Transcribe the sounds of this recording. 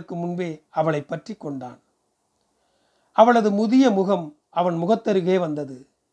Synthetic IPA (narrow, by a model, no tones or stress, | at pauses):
ɯkːɯmʊnbeːɐʋɐɭɐɪpːɐʈrikːɔɳɖa̰ːn | ʔɐʋɐɭɐðɯmʊðɪjɐmʊɣɐm | ɐʋɐnmʊɣɐt̪ːɐɾɯɣeːʋɐnd̪ɐðɯ